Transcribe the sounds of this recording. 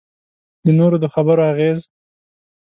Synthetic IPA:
d̪ənoɾod̪əxabəɾoaɣez

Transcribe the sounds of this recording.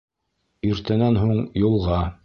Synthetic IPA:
ɵ̆ɾt̪ɘ̆nænɦuɴjulˠʁɑ

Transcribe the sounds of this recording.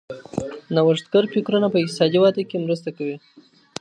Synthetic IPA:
nawaʐt̪̚ɡaɾpikɾunapəɪqt̪ɪ̥sɑd̪iwɑd̪əkemɾəst̪akawi

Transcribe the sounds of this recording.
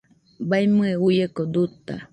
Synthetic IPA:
bajmɨeujekod̪ut̪a̰

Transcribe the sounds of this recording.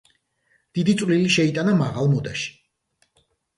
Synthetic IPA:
d̪̥id̪it̪sʼvliliʃɛit̪ʼanamaʁalˠmɔd̪aʃi̥

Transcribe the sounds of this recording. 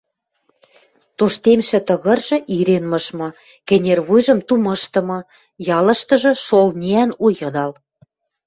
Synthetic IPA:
t̪oʃt̪emʃɘ̆t̪ə̆ɣɤ̆rʒɤ̆ʔiɾenmɤ̆ʃmɤ̆ | kɘ̆nʲerβujʒɤ̆mt̪umɤ̆ʃt̪ɤ̆mɤ̆ | jɑlɤ̆ʃt̪ɤ̆ʒɤ̆ʃolnʲiænujɤ̆d̪ɑl

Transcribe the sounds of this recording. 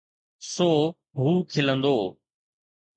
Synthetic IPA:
soː | ɦuːkʰɪlə̃nd̪oː

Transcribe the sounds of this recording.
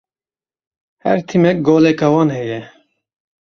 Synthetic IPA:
hɛ̰ɾt̪ʰimɛk̚ɡoːlɛkɑwɑːnhɛjɛ

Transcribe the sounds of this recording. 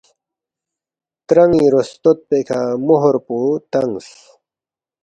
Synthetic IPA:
t̪ɾɐŋiɾost̪ot̪̚pekʰamoɦoɾput̪ɐŋs

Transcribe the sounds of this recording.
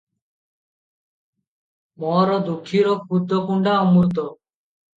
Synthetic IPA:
mɔɾɔd̪ukʰːiɾɔk̚pud̪ɔkuɳɖaɔmuɾt̪̬ɔ

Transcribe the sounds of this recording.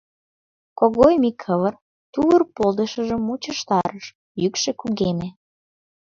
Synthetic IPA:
koɣojmikʰːəβər | t̪uβərpolˠd̪əʃəʒəmːut͡ɕəʃt̪ɑɾəʃ | jykʃĕkuɣeme

